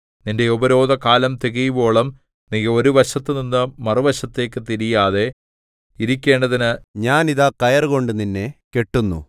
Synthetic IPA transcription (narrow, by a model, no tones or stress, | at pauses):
ninde̞obɐɾo̞ːd̪ɐkaːlɐmt̪iɣijubo̞ːɭɐm | niɣɐo̞ɾuʋɐɕɐt̪ːɨninːɨmɐruʋɐɕɐt̪ːe̞ːkːɨt̪iɾijaːðe̞ | iɾikʲːe̞ːɳɖɐðinɨɲaːniðakɐjɐrɣo̞ɳɖɨninːe̞ke̞ʈːunːṵ